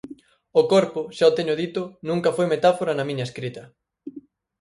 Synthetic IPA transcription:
ʊkɔɾpʊʃaot̪eɲʊðit̪ʊnũŋkɐfojmet̪afoɾɐnɐmĩɲɐeskɾit̪ɐ

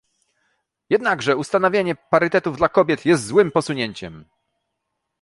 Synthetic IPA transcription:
jɛd̪naɡʐɛust̪anɔvʲjeɲɛpaɾɘt̪ɛt̪uvd̪lakɔbʲjɛt̪jɛst̪zwɘmpɔsuɲeɲt͡ɕɛm

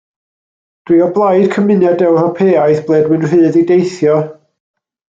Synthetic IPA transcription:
d̥wiɔblˠajd̥kʰəmɨnɛdɛwrɔpʰeːajθb̥lˠeːdwɨnr̥ɨːðidejθjɔ

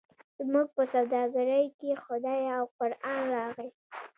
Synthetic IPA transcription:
zmuɡ̚pəsawd̪ɑɡaɾəjkexʊd̪ɑjawqʊɾɑnɾɑɣi

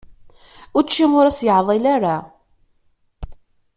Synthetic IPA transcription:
ʊɾt͡ʃːimʊɾæsjəʕðˤilaɾa

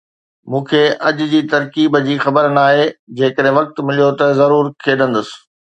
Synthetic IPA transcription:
mũːkʰeːʔɐʄʊ̆d͡ʑiːt̪ɐɾkiːbd͡ʑiːxɐbəɾnaːɦed͡ʑeːkəɗɦɪ̃ʋɐk̚t̪mɪlijot̪ɐzɐɾuːɾkʰeːɗə̃nd̪əsɪ̥̆

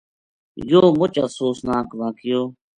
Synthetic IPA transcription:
joːmʊt͡ʃasoːsnaːkʋãːkɪjoː

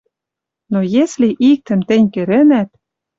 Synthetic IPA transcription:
nojesliʔik̚t̪ə̆mt̪ɘ̆nʲkø̆ɾĕnæt̪̚

